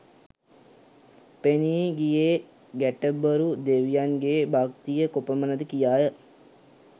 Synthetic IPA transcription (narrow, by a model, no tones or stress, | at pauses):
peniːɡije | ɡæʈəbːəɾud̪eʋijaŋɡebakt̪ijəkopəmənəd̪əkijaːjə